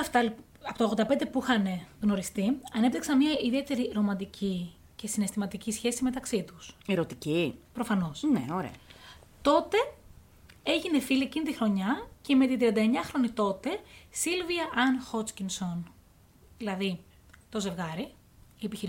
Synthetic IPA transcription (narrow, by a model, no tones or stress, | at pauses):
ɐft̪ɐl | ɐpot̪ɐoɣod̪ɐpend̪e̞puixɐne̞no̞ɾist̪iɐne̞pt̪iksɐnmɲɐiðie̞t̪e̞ɾiɾo̞mɐnd̪icʰi | ce̞sine̞st̪imɐt̪icisçe̞sime̞t̪ɐksit̪useɾot̪icipɾo̞fɐno̞snḛoɾḛɐ | t̪o̞t̪e̞ | e̞ʝine̞filiecinit̪ixɾo̞ɲɐce̞me̞t̪int̪ɾiɐnd̪ɐeɲɐxɾo̞nit̪o̞t̪e̞silviɐʔɐnxo̞t͡scinso̞n | ðilɐði | t̪o̞ze̞vɣɐɾi | iepiçiɾ